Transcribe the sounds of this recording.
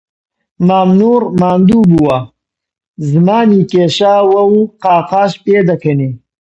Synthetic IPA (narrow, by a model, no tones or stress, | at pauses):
maːmnuːɾmaːnd̪ubuwa | zmaːnikeɕaːwɐuqaːqaːɕped̪ɐkʰeni